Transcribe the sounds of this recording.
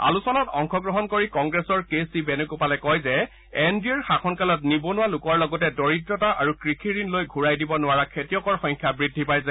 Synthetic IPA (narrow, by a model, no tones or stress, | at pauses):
a̰lusɔlɔtɔŋkʰɔɡɹɔɦɔnkoɹikɔŋɡɹesɔɹkesibenukupalɛkɔjzɛ | ɛnbiɛɹxakʰɔnkalɔtnibonʊwalʊkɔɹlɔɡɔtɛdɔɹitɹɔtaʔaɹukɹikʰiɹinlojɡʱuɹajdibɔnʊwaɹakʰetijɔkɔɹxɔjŋkʰjabɹidʱːipajsa